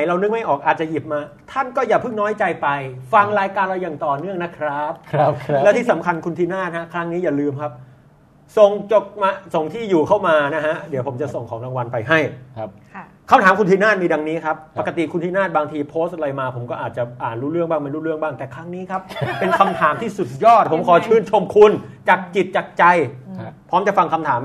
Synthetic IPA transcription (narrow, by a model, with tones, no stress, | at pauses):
a˨˦jɾa˧wnɯ˦˥ŋ̚ma˥˩jʔɔː˨˩k̚ʔaː˨˩t̪̚t͡ɕa˨˩ji˨˩p̚maː˧ | t̪ʰa˥˩nkɔː˥˩jaː˨˩pʰɯ˥˩ŋnɔː˦˥jt͡ɕa˧jpa˧jfa˧ŋɾaː˧jkaː˧nla˧wjaː˨˩ŋt̪ɔː˨˩nɯ˥˩əŋna˦˥kʰɾa˦˥p̚lɛ˦˥t̪iː˥˩sa˩˦mkʰa˧nkʰu˧nt̪ʰiː˧˥˩naː˥˩t̪̚ha˦˥kʰɾa˦˥ŋniː˦˥jaː˨˩lɯː˧mkʰa˦˥p̚ | so˨˩ŋt͡ɕo˨˩k̚maː˧so˨˩ŋt̪ʰiː˥˩juː˨˩kʰa˥˩wmaː˧na˦˥ɦa˦˥di˨˦wpʰo˩˦mt͡ɕa˨˩ʔso˨˩ŋkʰɔː˩˦ŋla˧ŋwa˧npa˧jɦa˥˩j | kʰa˧mt̪ʰaː˩˦mkʰu˧t̪iː˧˥naː˥˩t̪̚miː˧da˧ŋniː˦˥kʰa˦˥pːa˨˩ka˧t̪i˨˩kʰu˧nt̪ʰiː˥˩naː˥˩t̪̚baː˧ŋt̪ʰiː˧pʰoː˦˥st̪̚ɾa˧jmaː˧pʰo˩˦mkɔː˥˩ʔaː˨˩t̪̚t͡ɕa˨˩ʔaː˨˩nɾuː˦˥ɾɯ˥˩əŋbaː˥˩ŋma˧nɾuː˥ɾɯ˥˩əŋbaː˥˩ŋt̪ɛː˨˩kʰɾa˦˥ŋniː˦˥kʰa˦˥p̚pe˧nkʰa˧mt̪ʰaː˩˦mt̪ʰiː˥˩su˨˩t̪̚jɔː˥˩t̪̚pʰo˩˦mkʰɔː˨˩˦t͡ɕʰɯː˧˥˩nt͡ɕʰo˧mkʰu˧nt͡ɕaː˨˩k̚t͡ɕi˨˩t̪̚t͡ɕaː˨˩k̚t͡ɕa˧jpʰɔː˦˥mt͡ɕa˨˩fa˧ŋkʰa˧mt̪ʰaː˩˦m